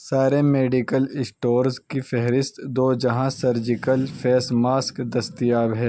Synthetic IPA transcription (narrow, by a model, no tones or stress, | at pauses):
saːɾemeːɖikəlɪsʈoːɾzkifɛɦɾɪst̪d̪oːd͡ʒɐɦãsɐɾd͡ʒɪkəlfʰɛːsmaːskd̪ɐst̪ijaːbɦɛː